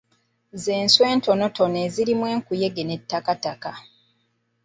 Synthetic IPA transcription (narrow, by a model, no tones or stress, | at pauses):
ze̞ːnswe̞ːnto̞notʰo̞neːziɾimwe̞ːŋkuje̞ɡene̞tːakataka